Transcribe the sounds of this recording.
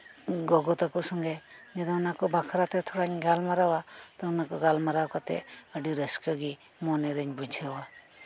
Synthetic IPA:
ɡɔɡɔt̪akɔsɔŋɡa | d͡ʒɛd̪ɔnakɔbakʰɾat̪ɛt̪ʰɔɽaɲɡalmaɾawat̪ɔnakɔɡalmaɾawkat̪ɛ̰əɖiɾəskɔɡi | mɔnɛɾəɲbud͡ʒʱəwa

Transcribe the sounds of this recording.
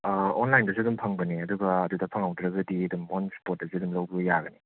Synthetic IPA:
ɔnlajndɐsudumpʰaŋbɐneɐduɡɐːdudapʰaŋawdɾɐɡɐdiɐdumonspot̚dɐsidumlowbiɡɐjaɡɐni

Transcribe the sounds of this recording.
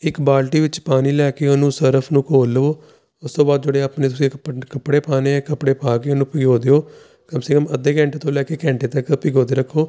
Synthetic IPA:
ɪkbaːlʈiːʋɪt͡ʃpaːniːlɛːkeːonũːsəɾəpʰnũːkoːlːəoː | ʊst̪õːbaːd̪̚d͡ʒoɽeːaːpneːt̪ʊsĩːkpkəpːɽeːpaːnẽːkəpɽeːpaːkeːonũːpɪɡoːd̪eːoː | kəmsɪkəməd̪eːkɛ̃ːɳʈeːt̪õːlɛːkeːkɛ̃ːɳʈeːt̪əkpɪɡoːd̪eːɾəkʰːoː

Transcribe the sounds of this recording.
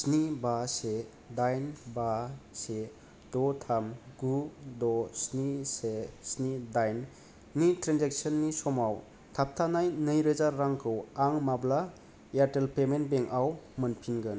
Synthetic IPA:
snibase | dajnbase | d̥ɔtʰamɡudɔsnisesnidajnː | itɾanzek̚sənːisɔmaw | tʰap̚tʰanajnɯjɾɯzaɾːaŋkʰɯwaŋmabla | jaɾtelpemen̚beŋawmɯnpʰinɡɯn

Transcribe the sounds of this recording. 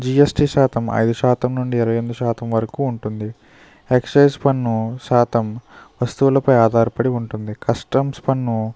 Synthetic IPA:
d͡ʒiesʈiʃaːt̪ʰɐmɐ̰jd̪uʃaːt̪ɐmnuɳɖiːɾɐʋɐjend̪uʃaːt̪ɐmʋɐɾɐkuːɳʈund̪i | eksɐjspɐnːuʃaːt̪ɐmʋɐst̪uʋulɐpɐjaːd̪ʱaːɾpɐɽiuɳʈund̪ikɐsʈɐmspɐnːu

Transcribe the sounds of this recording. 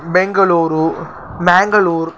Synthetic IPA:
bɛŋɡɐɭuːɾu | maːŋɡɐɭuːɾ

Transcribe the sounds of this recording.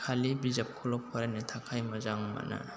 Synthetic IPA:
kʰalibizap̚kʰulɔpʰɔɾanetʰakʰajmɐzaŋma̰na̰

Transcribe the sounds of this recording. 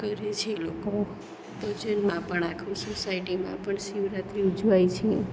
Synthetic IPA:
kəɾet͡ʃʰeloko | p̪əd͡ʒənmãpəɳakʰusosaiʈimã̰pəɳʃiʋɾat̪ɾiud͡ʒʋajt͡ʃʰe

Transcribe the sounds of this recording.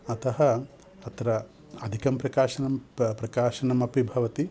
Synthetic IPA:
ɐt̪ɐɦɐ | ɐt̪ɾɐ | ɐd̪ʱikɐmpɾɐkaːʃɐnɐmpɾɐkaːʃɐnɐmɐpibʱɐʋɐt̪i

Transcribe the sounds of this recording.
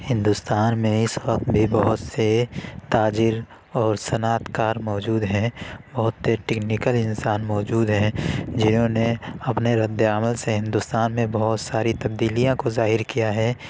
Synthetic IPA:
hɪ̃nd̪ʊst̪aːnmẽɪswəqt̪bʱibɔɦʊt̪set̪aːd͡ʒɪɾ | ɔːɾsɐnaːt̪kaːɾmɔːd͡ʒuːd̪ɦɛ̃bɔɦʊt̪seʈɛːknɪkəlɪnsaːnmɔːd͡ʒuːd̪ɦɛ̃d͡ʒɪnɦõneɐpneɾəd̪aːməlseɦɪ̃nd̪ʊst̪aːnmẽbɐɦʊt̪saːɾit̪ɐb̚d̪iːlijãkozaːɦɪɾkijaɦɛː

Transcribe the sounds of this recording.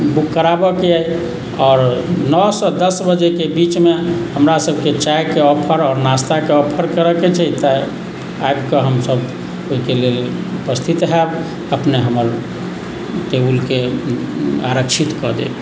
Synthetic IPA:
bukːəɾabɔkeaj | ɔːɾnɔsɔd̪əsbəd͡ʒekebit͡ʃmehəmɾasəbʱket͡ʃajkeɔpʰəɾɔːɾnast̪akeɔpʰəɾkəɾəket͡ʃʰɛt̪ə | ajbkeɦəmsəb | oikelel | upəst̪ʰit̪ɦɛb | əpneɦəməɾ | ʈ̪ebulke | aɾəkt͡ʃʰit̪kɔd̪ḛb

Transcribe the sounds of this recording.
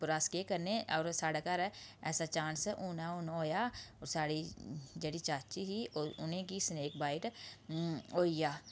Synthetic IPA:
pʊɾaːskeːkəɾneɔːɾsaːɽaːkaɾɛɛːsat͡ʃãːnsʊnaʊːnaoːjaːɔːɾsaːɽid͡ʒeːɽit͡ʃaːt͡ʃiɦiʊnẽːkisneːk̚baːɪʈ | oːiːjaː

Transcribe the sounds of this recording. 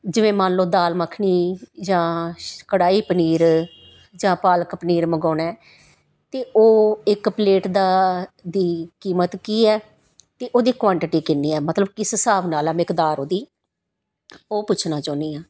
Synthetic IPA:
d͡ʒɪʋẽːmaːnloːd̪aːlməkʰɳiːd͡ʒãːkəɽaːiːpniːɾ | d͡ʒãːpaːləkpəniːɾməɡɔːnɛː | t̪eːʔoːɪkpəleːʈd̪aːd̪iːkiːmət̪kiːɛː | t̪eːʔoːd̪iːkʋãːɳʈɪʈiːkɪnːiːɛːmət̪ləbkɪssaːʋnaːlɛːmɪkd̪aːɾoːd̪iː | oːpʊt͡ʃʰnãːt͡ʃoːniːãː

